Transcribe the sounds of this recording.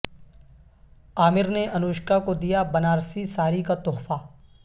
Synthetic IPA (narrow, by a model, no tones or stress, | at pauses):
aːmɪɾneʔɐnoːʃkakod̪ijabɐnaːɾsisaːɾikat̪ɔːɦfa